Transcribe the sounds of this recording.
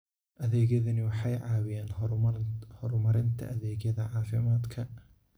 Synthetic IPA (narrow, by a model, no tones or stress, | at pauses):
ʔɐðɛːɣjɐðɐnɪwɑħɑjʕɑːwɪjɛːn | hɔrmɐɾɪnt̪ʰɐ̰ʔɐðɛːɣjɐðɐʕɑːfɪmaːd̪kʰɐ